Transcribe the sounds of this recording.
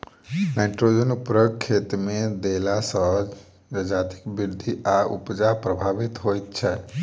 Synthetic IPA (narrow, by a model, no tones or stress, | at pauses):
naɪʈɾod͡ʒənupɾəɡkʰːet̪med̪elasə | d͡ʒəd͡ʒat̪i̥kbiɾd̪ʱiaṵpd͡ʒapɾəbʱabit̪ɦojt̪̚t͡ʃʰɛ